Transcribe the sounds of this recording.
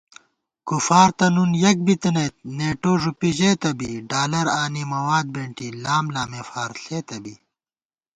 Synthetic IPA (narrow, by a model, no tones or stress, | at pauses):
kufaːɾt̪ɐnunjɐk̚bit̪ɐnɐjt̪̚neːʈoːʐupiʑeːt̪ɐbiɖaːlɐɾaːnimɐwaːd̪̚beɳʈilaːmlaːmeːfaːɾɬeːt̪ɐbi